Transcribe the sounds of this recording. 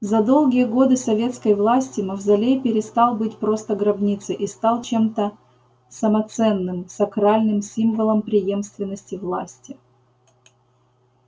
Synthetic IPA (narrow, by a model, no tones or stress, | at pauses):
zɐd̪o̞lˠɡʲɪjəɡo̞d̪ɨsɐvʲe̞t̪skəjvlˠasʲtʲɪməvzɐlʲejpʲɪɾʲɪst̪ɑlˠbɨtʲpɾo̞st̪əɡɾɐbnʲit̪sɨʔist̪ɑlˠt͡ɕe̞mt̪ə | səmɐt̪sɛnːɨmsɐkɾalʲnɨmsʲimvəlˠəmpɾʲɪjemst̪vʲɪnːəsʲtʲɪvlˠa̰sʲtʲɪ